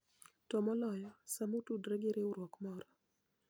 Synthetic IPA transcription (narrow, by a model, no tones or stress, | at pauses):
tɔmɔlɔjɔsamotudɾɛɡeɾeuɾwɔkmɔɾɔ